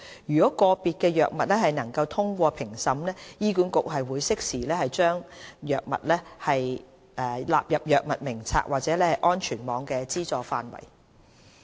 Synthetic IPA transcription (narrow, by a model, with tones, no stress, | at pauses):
jyː˨kɔː˨˥kɔː˧piː˨˧t̚kɛː˧jœː˨k̚mɐ˨t̚lɛː˥ɦɐ˨jnɐ˨˩ŋkɐ˧wt̪ʰʊ˥ŋkʷɔː˧pʰɪ˨˩ŋsɐ˨˥mlɛː˥jiː˥kuː˨˥nkʊ˨k̚ɦɐ˨jwuː˨˧jsɪ˥k̚siː˨˩lɛː˥hɐ˨jt͡ʃœː˥ŋjœː˨k̚mɐ̰˨t̚lɛː˥hɐ˨j | ʔɛ˧la̰ː˨p̚jɐ˨p̚jœː˨k̚mɐ˨t̚mɪ˨˩ŋt͡sʰa̰ː˧k̚waː˨k̚t͡sɛː˨˥lɛː˥hɐ˨˩jʔɔː˥nt͡ʃʰyː˨˩nmɔː˨˧ŋkɛː˧t͡siː˥t͡sɔː˨faː˧nwɐ̰˨˩j